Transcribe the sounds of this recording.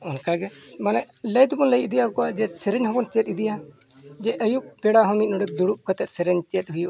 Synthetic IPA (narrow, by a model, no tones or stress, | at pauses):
ɔnkaɡɛmanɛʔ | ləjd̪ubɔnləjid̪ijakɔʔad͡ʒɛsɛɾɛɲhɔ̃bɔnt͡ʃɛt̪̚id̪ija | d͡ʒɛʔəjuʔpɛɽaɦɔmit̪̚nɔɖɛk̚d̪uɽuʔkət̪ɛt̪̚ˀsɛɾɛɲt͡ʃɛt̪̚ɦujuʔ